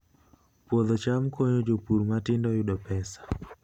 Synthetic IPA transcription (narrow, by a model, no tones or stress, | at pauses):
pwɔðɔt͡ʃam̩kɔɲɔd͡ʒɔpuɾmatindɔjuɗɔpɛsḁ